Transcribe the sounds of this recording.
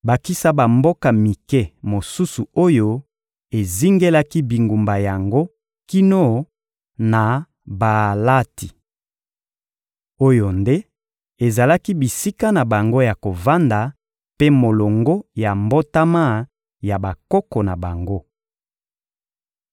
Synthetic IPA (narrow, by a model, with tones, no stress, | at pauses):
ba˨ki˦sa˦ba˨mbo˦ka˨mi˨kɛ˦mo˨su˦su˨o˦jo˦ | e˨zi˦ŋɡe˦la˦ki˦bi˨ŋɡu˨mba˨ja˨ŋɡo˦ | ki˦no˦˨ | na˨ | ba˨la˦ti˨ | o˦jo˨nde˦ | e˨za˨la˦ki˦bi˨si˦ka˦na˨ba˨ŋɡo˦ja˨ko˨va˦nda˨ | pe˦mo˨lo˨ŋɡo˦ja˨mbo˦ta˦ma˦˨ | ja˨ba˨kɔ˦kɔ˨na˨ba˨ŋɡo˦